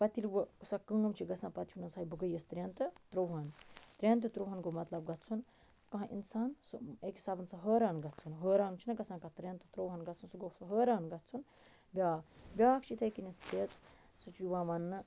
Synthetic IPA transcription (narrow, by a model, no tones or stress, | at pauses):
pɐt̪ilʋəusakəŋɡɐmt͡ʃʰiɡɐsãːpɐt̪ʰiunɐsaːjibɨɡəjɐst̪ɾʲeːnt̪ɨt̪ɾowɦɐnt̪ɾʲent̪ɨt̪ɾoːwɦɐnɡomɐt̪lɐb̚ɡɐt̪̚ʰt͡sʰun | kɐɦãʔḭnsaːnsɨekɦi̥saːbɐnsɐɦəːɾaːnɡɐt̪t͡sʰunɦəːɾaːnt͡ʃʰinɐɡɐsãːkɐt̪ɾʲeːnt̪ɨt̪ɾoːwɦɐnɡɐt̪t͡sʰunsuɡosɐɦəːɾaːnɡɐt̪̚ʰt͡sʰun | bʲaːbʲjaːkʰt͡ʃʰit̪ʰɐkinit̪et͡s | sut͡ʃuʋãːʋɐnːɨ